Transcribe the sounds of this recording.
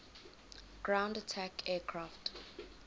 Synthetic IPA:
ɡ̥ɹãw̃ndatʰakʰɛːkʰɹaft

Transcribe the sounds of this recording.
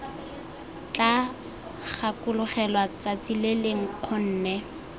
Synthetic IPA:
t͡ɬa | χakʊlʊχɛlwat͡sat͡sileleŋ̩q͡χʰʊn̩ːnɛ

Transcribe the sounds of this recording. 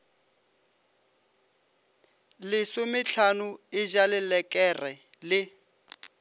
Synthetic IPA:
lɪsʊmɪɬʰanʊɪd͡ʒalɪlɛkʼɛrɛ | lɪ

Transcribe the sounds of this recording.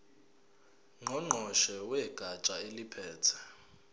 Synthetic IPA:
ŋ͡ǃɔŋ͡ǃʱɔʃɛwɛɡ̥ʱat͡ʃʼaelipʰɛːtʰɛ̥

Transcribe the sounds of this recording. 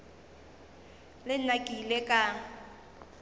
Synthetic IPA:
lɪnakʼilekʼa

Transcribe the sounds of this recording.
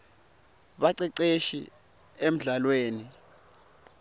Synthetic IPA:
ɓaǀiǀeʃḭ | em̩ɮalweːni

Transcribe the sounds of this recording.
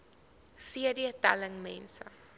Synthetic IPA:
siədiətæ̰ləŋmɛnsə

